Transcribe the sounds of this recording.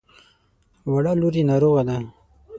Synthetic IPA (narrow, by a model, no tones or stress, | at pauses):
waɽaluɾinaɾoɣad̪a